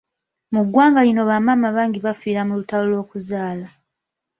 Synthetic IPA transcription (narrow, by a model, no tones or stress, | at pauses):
muɡwaːŋɡalino̞βamamaβaːŋɡiβafiːɾamulutaolwo̞ːkuzaːla